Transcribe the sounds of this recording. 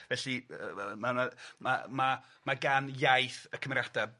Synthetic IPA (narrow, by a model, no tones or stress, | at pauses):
vɛɬiəmanama̰ma | maɡanjajθəkʰəmrjada